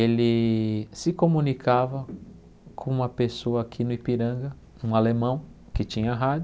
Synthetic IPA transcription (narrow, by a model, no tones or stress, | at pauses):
elɪsɪkomũnikʰavɐ | kʰõũmɐpesoɐakʰinʊipiɾɐ̃ɡɐ | ũalemɐ̃w̃ | kɪt͡ʃĩɲɐɦad͡ʒʊ